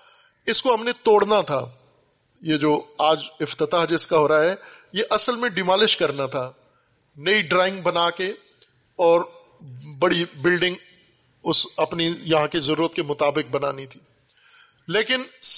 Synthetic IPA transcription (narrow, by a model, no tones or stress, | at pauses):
ɪskoɦɐmnet̪oːɽnat̪ʰa̰ː | jed͡ʒoːaːd͡ʒɪft̪ɪt̪aːɦd͡ʒɪskaɦoːɾaaɦɛːjeʔɐsəlmẽɖɪmaːlɪʃkɐɾnat̪ʰaː | nɐiɖɾaːɪ̃ŋɡ̚bɐnaːke | ɔːɾ | bɐɽibɪlɖɪ̃ŋɡ | ʊsɐpnijɐɦãkezɐɾuːɾət̪̚kemʊt̪aːbɪk̚bɐna̰ːnit̪ʰiː | leːkɪns